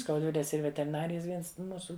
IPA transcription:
skɐʊdʲˈʋʲɪlʲeːs ˈiːr ʋʲɛtʲɛrʲɪˈnɑːrʲɪjɛs ˈʋʲiɛns ˈmuːsʊ

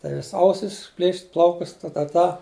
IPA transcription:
tɐɪ ˈʋʲɪsʲ ˈɐʊsʲɪs ˈpʲlʲeːʃʲɪtʲ ˈplˠɐʊkʊs tɐ tɐ ˈtɐ

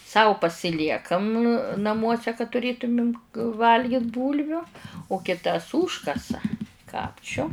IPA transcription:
ˈsɐʊ pɐsʲɪˈlʲiɛkɐm nɐˈmuɔsʲɛ kɐ tʊˈrʲeːtʊmʲɪm ˈʋɐlʲɡʲɪt ˈbuːlʲʋʲʊ ʊ kʲɪˈtɐs ˈuːʃkɐsɐ ˈkɑːpʲt͡ʃʲʊ

